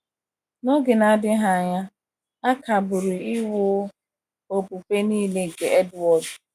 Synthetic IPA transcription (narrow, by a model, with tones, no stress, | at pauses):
no˦ɡɪ˨na˨a˨dɪ˦ɦa˨a˨ɲa˦ | a˦kʰa˨bʊ˨ɾɪ˨ɪ˦wʊ˦ | o˨pu˨pe˦niː˦le˨ŋ̩˨ke˨ɛ˦dwɔ˨d